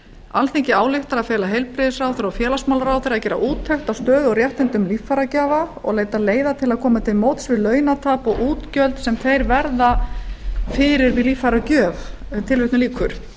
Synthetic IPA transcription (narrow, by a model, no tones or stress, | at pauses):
alθeɲcɪaːwlɪht̪aɾaðfjɛːlaɦejlpɾɪðɪsraːwθeɾafjɛːlasmawlɾaːwθeːɾaðcɛːɾa̰ʔuːt̪ʰːɛxt̪awst̪œːðɔɣɾjɛht̪ɪnt̪ʏmliːfːaɾacaːvaɔ̰ɣleːjt̪aleːjðat̪ʰɪlaðkʰɔːmat̪ʰɪlmoːwt̪svɪlœːɥnat̪ʰaːpɔɣʔuːt̪cœlt̪sɛmθejɾvɛɾða | fɪːɾɪɾvɪlifaɾacœːv | t̪ʰɪlvɪht̪nʏliːkʰʏɾ̥